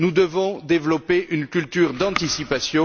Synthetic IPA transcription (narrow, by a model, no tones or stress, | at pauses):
nud̪əvɔ̃d̪evlɔpeʔynkʲylt̪yʁd̪ɑ̃t̪isipasjɔ̃